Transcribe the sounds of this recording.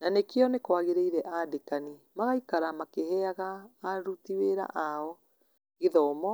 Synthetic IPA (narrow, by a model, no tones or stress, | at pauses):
nanekeɔnekwaɣeɾeiɾɛʔadekani | maɣaikaɾamakehɛaɣaːɾutiweɾa̰ʔaɔ | ɣeðɔmɔ